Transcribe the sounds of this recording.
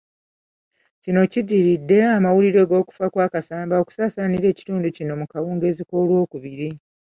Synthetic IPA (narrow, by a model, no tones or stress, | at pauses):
cino̞cidiɾidːe̞amawuliɾe̞ːɡo̞ːku̥fakwaːkasaːmbao̞ku̥saːsaːniɾe̞ːci̥tuːnducino̞mukawuːŋɡe̞ːziko̞ːlwo̞ːkuβiɾi